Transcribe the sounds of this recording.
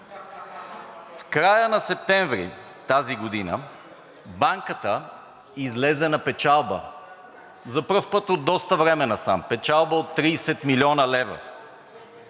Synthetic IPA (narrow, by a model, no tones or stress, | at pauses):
fkɾajənɐsɛp̚t̪ɛɱvɾḭ | t̪aziɡod̪inə̰ | baŋkət̪ə | izlɛzɛnɐpɛt͡ʃalˠbə̰ | zɐpɤfpɤt̪od̪ːɔst̪əvɾɛmɛnɐsa̰mpɛt͡ʃalˠbəot̪ːɾiːsɛt̪milʲiɔnəlɛvə̰